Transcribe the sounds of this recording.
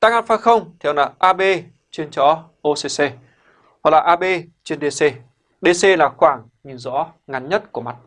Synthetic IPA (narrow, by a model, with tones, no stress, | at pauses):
t̪aː˧ŋa˧˩nfaː˧˩xə˧wŋ͡mt̪ʰɛː˨˧˩wlaː˨˩ʔaː˧ɓe˧ | t͡ɕi˧ənt͡ɕɔ˨˦ | ʔo˧se˧se˧ | wa˨˩k̚laː˨˩ʔaː˧ɓe˧t͡ɕwi˧nɗe˧se˧ | ɗe˧se˧laː˨˩xwaː˧˩ŋ | ɲɨ˨˩nzɔ̰˧˥ŋa˨˧nɲə˦˥t̚ku˧˩əma˨˩t̚